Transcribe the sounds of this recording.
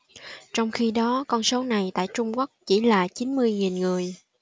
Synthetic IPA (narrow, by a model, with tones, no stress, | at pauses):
t͡ɕɔ˧wŋ͡mxi˧ɗɔ˨˦kɔ˧nso˨˦na˨˩jt̪a̰ː˧˨jt͡ɕʊ˧ŋ͡mku˦˥k̚t͡ɕi˧˩laː˨˩t͡ɕi˨˦nmɨ˧əjŋi˨˩nŋɨ˨˩əj